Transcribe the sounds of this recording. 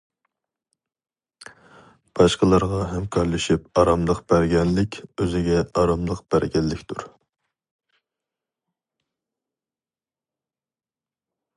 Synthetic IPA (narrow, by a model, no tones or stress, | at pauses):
b̥ɑʃqəlˠɑɾʁɑɦɛmkʰɑɾlˠɨʃip̚ɑɾɑmlˠəqb̥æɾɡʲɛnlɪkʲʰøzɪɡʲɛɑɾɑmlˠəqb̥æɾɡʲɛnːɪkʲt̪ʰuɾ